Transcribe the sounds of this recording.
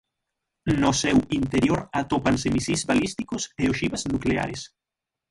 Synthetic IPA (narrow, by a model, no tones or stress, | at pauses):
nʊsewint̪eɾjoɾat̪opansemisizβalist̪ikoseoʃiβaznuklea̰ɾes